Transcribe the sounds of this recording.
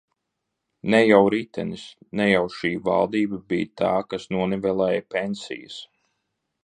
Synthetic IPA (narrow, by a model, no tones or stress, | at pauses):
nɛjawɾit̪ɛnisnɛjawʃiːva̰lˠd̪iːbabijt̪ʰaːkasnuɔnɛvɛlˠɛːjpʲensḭjə̰s